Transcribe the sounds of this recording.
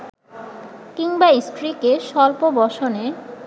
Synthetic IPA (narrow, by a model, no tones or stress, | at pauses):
kiŋbaisʈɾikeʃɔlpobɔʃone